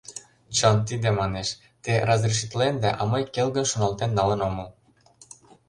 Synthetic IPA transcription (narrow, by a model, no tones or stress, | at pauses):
t͡ɕɤnt̪id̪emɑneʃ | t̪erɑzreʃ̬it̪lend̪æʔɑmɤjkelɣɤ̆ʃonɑlt̪enːɑlɤ̆nomɤl